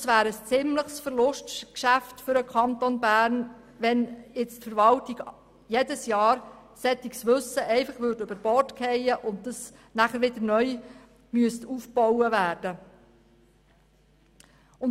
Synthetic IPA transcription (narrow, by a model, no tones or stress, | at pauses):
sʋæːɾəst͡sɪmləχsfəɾlʊʃtkʃæftfʏɾəkʰɑnt̪onbæːɾn | ʋɛnɪt͡stfəɾʋɑltiɡ | jedəsjɑːɾsɛtːiksʋɵsəʔɛɪfɑχʋʏɾdøb̥əɾb̥ɔrtkʰɛjəʔʊntdɑs | næχəɾʋɪd̪əɾnœj | myəstuːfbɔwəʋæːɾd̥ə | ʊn